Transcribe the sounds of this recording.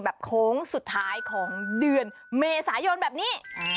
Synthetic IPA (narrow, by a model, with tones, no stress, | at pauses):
bɛː˨˩p̚kʰoː˦˥ŋsu˨˩t̪ʰːaː˦˥jkʰɔː˩˦ŋdɯ˨˩ən | meː˧saː˩˦jo˧nbɛː˨˩p̚niː˦˥˩